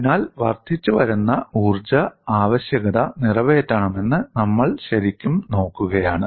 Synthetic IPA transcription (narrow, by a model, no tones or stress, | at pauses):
naːlʋɐrt̪ʰit͡ɕːuʋɐɾunːɐuːrd͡ʑɐaːʋɐɕjɐɣɐðɐnirɐʋeːtːɐɳɐme̞nːɨnɐmːɐɭɕɐɾikʲːumno̞ːkːuɣɐjaːɳɨ